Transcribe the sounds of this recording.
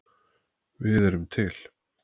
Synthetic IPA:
vɪðɛɾʏmt̪ʰɪl̥

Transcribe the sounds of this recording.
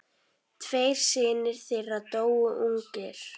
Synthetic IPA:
t̪ʰvejɾ̥sɪːnɪɾ̥θɪrːat̪oːwʏʔuŋkɪɾ̥

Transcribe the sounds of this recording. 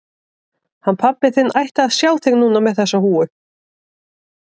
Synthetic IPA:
hanːpʰapːɪθɪnːʔajht̪aːðsjawθɪɣnːuːnamɛðθɛsːahuːʏ

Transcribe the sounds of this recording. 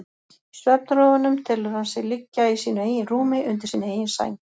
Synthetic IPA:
st̪œɾp̚nɾoːvʏnʏmt̪ʰɪlʏɾhansɛɣlɪcːaisiːnʏeːjɪnruːmɪʔʏnt̪ɪɾ̥siːneːjɪnsa̰jn

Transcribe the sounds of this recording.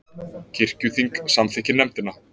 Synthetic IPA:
cʰɪr̥cʏθiŋksamθɛhcɪnɛmt̪ɪnːa

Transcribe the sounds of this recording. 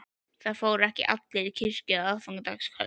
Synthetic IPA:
θaðfoːwɾɛhcɪ̰ʔa̰t̪lɪɾicʰɪr̥cʏaaðfawŋkat̪a̰kskʰœ̰

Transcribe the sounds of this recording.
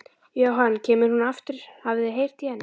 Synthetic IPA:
jaːwɦanːcʰɛːmʏɾ̥hunaft̪ɪɾ̥havðɪɦejr̥t̪ihɛnː

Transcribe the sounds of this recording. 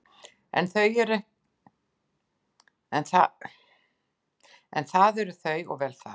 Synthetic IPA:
ɛ̰nθœɥɛɾʏ | ɛnθa | ɛ̰nθaðɛɾʏθœɥɔ̰ɣvɛːlθa̰

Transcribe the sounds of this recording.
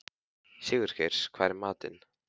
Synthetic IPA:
sɪːɣʏɾ̥çejɾ̥skʰvaːɾɪmaːt̪ɪ̰n

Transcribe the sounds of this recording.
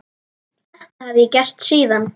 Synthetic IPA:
ɛht̪havjɛcɛr̥t̪siːðan

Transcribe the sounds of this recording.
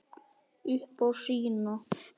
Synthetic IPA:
ihpoʂino

